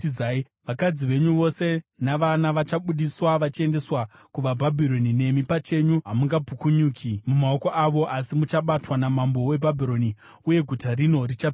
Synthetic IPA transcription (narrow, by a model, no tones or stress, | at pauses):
zai | ʋakad͡ziʋe̞ɲuʋo̞se̞naʋanaʋat͡ʃaɓuɗiswaʋat͡ʃie̞nde̞swa | kuʋabʱabʱiɾo̞nine̞mipat͡ʃe̞ɲuɦamuŋɡabʱukuɲuːkʰimumao̞ko̞ʔaʋo̞ʔasimut͡ʃaɓatwanamambo̞we̞bʱabʱiɾo̞ni | uje̞ɡʱutarino̞rit͡ʃap